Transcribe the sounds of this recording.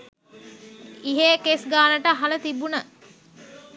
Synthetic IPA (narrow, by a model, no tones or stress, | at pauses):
iɦekesɡaːnəʈəɦalət̪ibunə